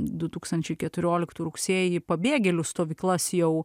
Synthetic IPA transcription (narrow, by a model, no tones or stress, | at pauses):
d̪ʊt̪uːkst̪ɐnʲt͡ʃʲɛɪkʲɛt̪ʊɾʲoːlʲɪkt̪uːɾʊksʲeːjipɐbʲeːɡʲɛlʲʊst̪oːʋʲiːklˠɐsjɛʊ